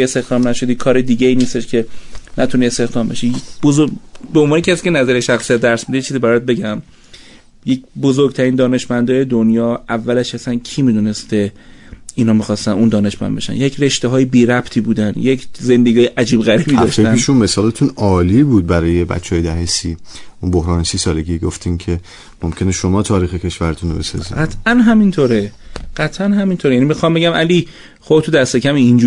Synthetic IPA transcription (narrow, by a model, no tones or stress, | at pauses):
est̪e̞xd̪ɒːmnæʃo̞d̪iːkʰɒːɾed̪iːɟeiːniːst̪e̞ʃcʰe̞næt̪ʰuniːest̪e̞xd̪ɒːmbeʃijebozobeonvɒːnecʰæsiːcʰe̞næzæɾeʃæxsijæt̪̚d̪æɾsmid̪eet͡ʃʰiːzibæɾɒːt̪̚be̞ɟæm | je̞cbozoɾɡ̚t̪ʰæɾiːnd̪ɒːne̞ʃmænd̪ɒːje̞d̪onjɒːʔævːælæʃæsæncʰiːmid̪une̞st̪e̞ | inhɒːmixɒːst̪ænund̪ɒːne̞ʃmæ̰nbe̞̰ʃæ̰njecʰre̞ʃt̪eɦɒːjebiːɾæpt̪ʰiːbuːd̪ænjekʰze̞nd̪eɡiɒːjeʔæd͡ʒiːbɣæɾibiːd̪ɒʃeæeʃunme̞sɒːlet̪ʰuːnɒːliːbuːd̪̚bæɾɒːjebæ̰t͡ʃʰːeɒːjed̪æɦesiːʔunbohɾɒːnesiːsɒːleɡiːɡoft̪ʰincʰe̞ | momcʲʰe̞neʃomɒːt̪ʰɒːɾiːxecʰe̞ʃvæɾet̪ʰunobesɒ̰ːziɡæt̪ʰʔænɦæmint̪ʰoːɾeɢ̥æt̪ʰʔænɦæmint̪ʰoɾejænimixɒmbe̞ɟæmʔæliː | χobt̪ʰud̪æst̪e̞cʰæmiːnd͡ʒu